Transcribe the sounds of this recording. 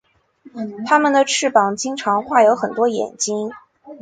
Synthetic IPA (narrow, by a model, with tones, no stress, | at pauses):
t̪ʰa˥mə˨nd̪ə˩ʈ͡ʂʰɻ̩˥˩pɑ˨˩ŋt͡ɕi˥ŋʈ͡ʂʰɑ˧˥ŋxwa˥˩jo˧˥ʊxə˨˩nt̪wɔ˥jɛ̰˨˩nt͡ɕi˥ŋ